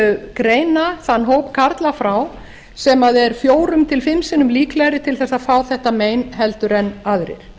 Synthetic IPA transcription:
kɾeːjnaθanːɦowpkʰaɾt̪lafɾaw | sɛmaðɛɾ̥fjoːwɾʏmt̪ʰɪlfɪmsɪnʏmliːklɛɣɾɪt̪ʰɪlθɛsaðfaːwθɛht̪ameːjnɦɛlt̪ʏɾɛnːaðɾɪ̰ɾ̥

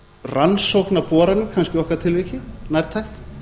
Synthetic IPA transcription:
ransowknapɔːɾanʏkʰanscɪɔhkaɾ̥t̪ʰɪlvɪcɪnajɾt̪ʰajht̪

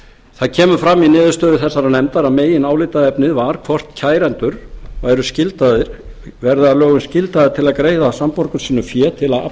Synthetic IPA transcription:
θaðcʰɛːmʏfɾamːinɪːðʏɾst̪œːðʏθɛsːaɾanɛmt̪aɾaðmeːjɪnaːwlɪt̪aðɛpnɪðvaɾ̥kʰvɔr̥t̪cʰaːjɾɛnt̪ʏɾ̥vaɛɾʏscɪlt̪aðɪɾ̥ | vɛɾðɪaðlœːɣʏmscɪlt̪aðɪɾ̥t̪ʰɪlaðkɾeːjðasampɔɾkʏɾ̥siːnʏfjɛːt̪ʰɪlaða̰

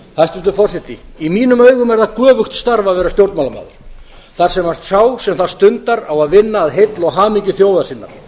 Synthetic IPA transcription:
hast̪ɪst̪ʏfɔrsɪt̪iimiːnʏmœɥɣʏmɛɾðakœːvʏxt̪st̪aɾvaðvɛːɾast̪jowɾt̪malama̰ːðʏ̰ɾ̥ | θaɾ̥sɛmast̪saːwsɛmθḁst̪ʏnt̪aɾawaðvɪnːaːðɦet̪lɔɣɦaːmiɲcʏθjoːwðasɪnːa̰ɾ̥

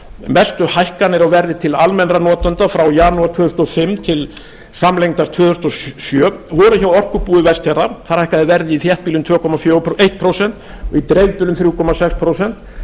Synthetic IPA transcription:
mɛst̪ʏhajhkanɛɾawvɛɾðɪt̪ʰɪlalmɛnranɔːt̪ant̪afɾawjaːnuaɾt̪ʰvœːðʏ̥st̪ɔfɪmt̪ʰɪl | samlejŋt̪aɾt̪ʰvœːðʏst̪ɔssjœːvɔɾʏçawɔr̥kʏpuːðɪvɛst̪hɛɾaθaɾ̥hajhkaðɪvɛɾðɪiθjɛht̪pilʏmt̪ʰvœːkʰɔmafjoːejht̪̚pʰɾowsɛn̥t̪ | ɔ̰it̪ɾejðpɪlʏmθɾjuːkʰɔmasɛkspʰɾoːwsɛn̥t̪

